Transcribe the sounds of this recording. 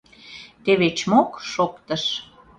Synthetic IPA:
t̪eβet͡ɕmokʃokt̪əʃ

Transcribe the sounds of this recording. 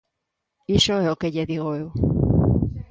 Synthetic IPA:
isoeokeʎeðiɣ̞oew

